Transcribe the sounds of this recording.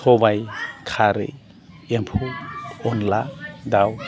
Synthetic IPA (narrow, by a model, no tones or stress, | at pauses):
ɔbajkʰaɾɯ̰ | empʰuɔnlad̪aw